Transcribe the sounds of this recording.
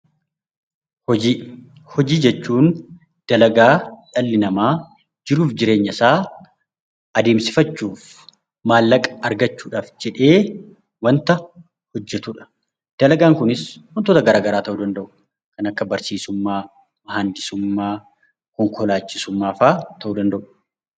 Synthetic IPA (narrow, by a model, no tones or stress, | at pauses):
hɔiː | hɔd͡ʒiːd͡ʒɛt͡ʃːuːn | d̪̥ɐlɐɡaːᶑɐlːɪnɐmaː | d͡ʒɪɾuːfd͡ʒɪɾe̞ːɲːɐsaː | ɐd̪eːmsɪ̥fɐt͡ʃːuːf | maːlːɐkʼɐ̥ɐɾɡɐt͡ʃːuːᶑaːfd͡ʒɛᶑe̞ː | wɐnt̪ɐ | hɔd͡ʒːɛt̪ʊᶑɐ̥ | d̪̥ɐlɐɡaːŋkʊnɪswɔnt̪ot̪ɐɡɐɾaːɡɐɾaːt̪ɐʔuːd̪ɐnd̪ɐʔʊ̥ | kɐnɐkːɐbɐɾsiːsʊmːaː | mɐɦand̪ɪsʊmːaː | kɔŋkʰɔlaːt͡ʃːɪsʊmːaːfaːt̪ʰɐʔuːd̪ɐnd̪ɐʔʊ̥